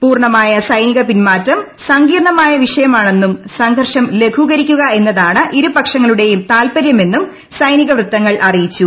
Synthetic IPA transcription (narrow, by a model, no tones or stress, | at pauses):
puːrɳɐmaːjɐsɐjniɣɐpinmaːtːɐm | sɐŋɡiːrɳɐmaːjɐʋiʂɐjɐmaːɳe̞nːumsɐŋɡʱɐrʂɐmle̞ɡʰʱuɣɐɾikʲːuɣɐe̞nːɐðaːɳɨʔiɾupɐkʂɐŋːɐɭuɽe̞jumt̪aːlpɐɾjɐme̞nːum | sɐjniɣɐʋrɨt̪ːɐŋːɐɭʔɐrijit͡ɕːu